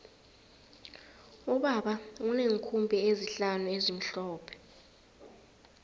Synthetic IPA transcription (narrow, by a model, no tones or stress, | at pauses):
uɓaɓauneŋ̩kʰumbʱɛeziɬanuezim̩ɬɔːpʰɛ̥